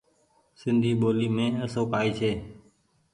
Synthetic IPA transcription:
sɪnd̪ʱiːɓoːliːmẽːəsõːpaːiːt͡ʃʰeː

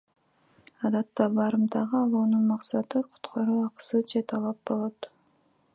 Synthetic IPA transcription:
ɑd̪ɑt̪ːɑbɑɾɯmd̪ɑʁɯɑlˠuːnunmɑqsɑt̪ɯqʰu̥t̪qʰɑɾuɑqsɯd͡ʒet̪ʰɑlˠɑp̚bo̞lˠot̪

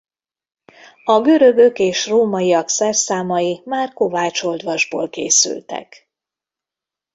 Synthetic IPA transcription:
ɒɡø̞ɾø̞ɡøkeːʃroːmɒjijɒksɛrsaːmɒjimaːrko̞vaːt͡ʃo̞ld̪ʋɒʒbo̰ːlkḛːsy̰lt̪ɛ̰k

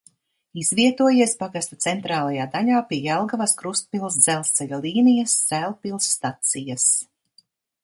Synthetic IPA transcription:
izviɛt̪uɔjiɛspaɡast̪at̪sɛnt̪ɾaːlˠajaːd̪aʎaːpiɛjɛlˠɡavaskɾust̪̚pilˠs̬d̪zɛlˠst̪sɛʎʲalˠiːnijassælˠpilˠsːt̪at̪sijas

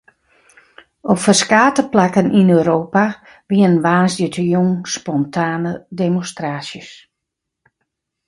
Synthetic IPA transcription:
ɔpfəskaːtəplakənʔinøːɾoːpa | ʋiənnʋaːnsdətʰəjuŋspɔntʰaːnədemonstraːsjəs

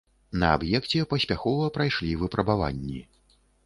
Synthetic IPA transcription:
nɐa̰bjɛkt͡sʲɛpɐsʲpʲaxɔvɐpɾajʂlʲivɨpɾɐbava̰nʲːi

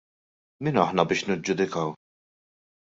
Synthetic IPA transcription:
miːnɐħnɐbɪːʃnɪd͡ʒːʊd̪ɪkɐw

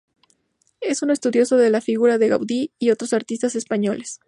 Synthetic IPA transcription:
e̞sunoe̞st̪uðjo̞so̞ðe̞lafiɣuɾaðe̞ɣa̰wðiio̞t̪ɾo̞saɾt̪ist̪ase̞spaɲo̞le̞s

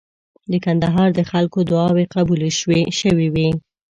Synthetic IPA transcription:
d̪əkand̪aɦɑɾd̪əxalkod̪ʊɑweqabulʃweʃəwiwi

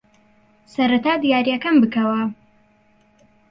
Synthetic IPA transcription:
sɐɾɐt̪aːd̪ijaːɾijɐkɐmbɨkɐwɐ

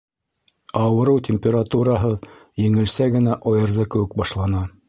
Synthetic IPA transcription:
ɑwɤ̆ɾɤwtʲemʲpʲeɾat̪uɾɑɦɤðjɘ̆ŋɘ̆lsæɡɘ̆næʔɑjɤ̆ɾzɤkɘ̆wɘk̚bɑʃlˠɑnɑ

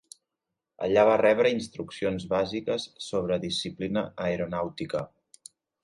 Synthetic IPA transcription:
ə̰ʎaβ̞arɛβ̞ɾəinst̪ɾuksionzβazikəsːoβ̞ɾəðisiplinəːeɾunawt̪ikə

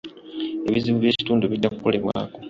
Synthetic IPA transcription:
e̞βizimuvje̞ːci̥tuːnduβidːakuko̞leβwa̰ːko̞

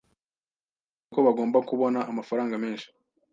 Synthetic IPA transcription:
ko̞βaɡoːmbakuβo̞naʔːmafaɾaːŋɡame̞ːnʃi̥

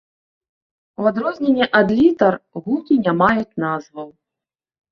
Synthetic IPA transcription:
wad̪ɾɔzʲnʲenʲːɛʔad̪lʲit̪ɐrɣukʲinʲamajut͡sʲnazvɐw

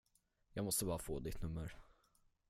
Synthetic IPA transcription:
jɑːɡmɔst̪əbɑːɾafoːd̪ɪt̪ʰnɵmːəɾ

